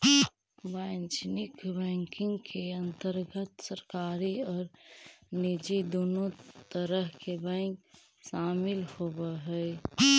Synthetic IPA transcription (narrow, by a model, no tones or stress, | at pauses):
baɪnt͡ʃnɪkbɛ̃ŋkɪ̃ŋɡkʰeə̃nt̪əɾɡət̪səɾkaːɾiɔːɾnid͡ʒid̪oːnot̪əɾəɦkebɛ̃ŋk | saːmɪlhobəɦɛɪ